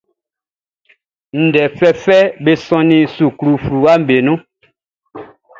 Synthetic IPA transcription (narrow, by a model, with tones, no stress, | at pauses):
n̩˨dɛ˨fɛ˦fɛ˦be˦sɔ̃˦nĩ˦su˨kɾu˦˨fɾu˨a˦m˨be˨nũ˦